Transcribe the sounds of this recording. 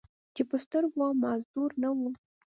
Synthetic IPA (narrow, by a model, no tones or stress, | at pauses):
t͡ʃepəst̪əɾɡwɑmɑzd̪uɾnawu